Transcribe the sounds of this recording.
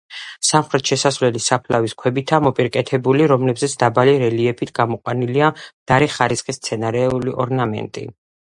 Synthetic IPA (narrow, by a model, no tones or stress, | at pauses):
samχɾɛt̪ʃɛsasvlɛlisapʰlaviskʰwɛbit̪ʰamɔpʼiɾkʼɛt̪ʰɛbuliɾɔmlɛbzɛt̪sʰd̪abaliɾɛliɛpʰit̪ʰɡ̥amɔqʼwaniliamd̪̥aɾɛχaɾisχist̪sʰɛnaɾɛuliʔɔɾnamɛ̰nt̪ʼḭ